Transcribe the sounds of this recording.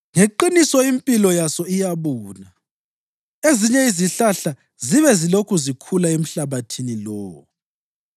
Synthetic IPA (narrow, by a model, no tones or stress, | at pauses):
ŋeǃinisɔimpʼilɔjasɔijaβuːna | eziɲɛiziɬaɬa | ziβɛzilokʰuzikʰulaem̩ɬaβatʰinilɔːwɔ